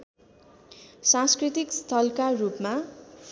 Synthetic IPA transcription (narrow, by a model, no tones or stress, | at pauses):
sãnskrit̪ikst̪ʰʌlkarupma